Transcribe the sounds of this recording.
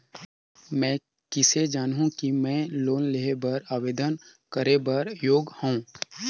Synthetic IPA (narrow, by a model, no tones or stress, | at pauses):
mɛ̃ː | kɪsed͡ʒaːnɦũkimɛ̃ːloːnleɦebɐɾaːʋeːd̪ənkəɾebɐɾjoːɡhõː